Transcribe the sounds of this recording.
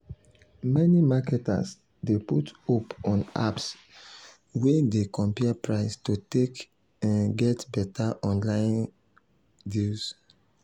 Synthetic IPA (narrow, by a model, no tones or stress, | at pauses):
mɛnimakɛta̰s | deputopɔ̃na̰ps | wedekɔ̃mpiapɹaɪstutek | ɛ̃nɡɛtbɛtaʔɔ̃nlãɪ̃n | dils